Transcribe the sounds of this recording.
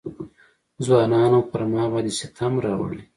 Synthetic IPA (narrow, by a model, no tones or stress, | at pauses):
zwɑːnɑːnapəɾmɑːbɑːd̪iset̪ʰamɾɑw̰ɽi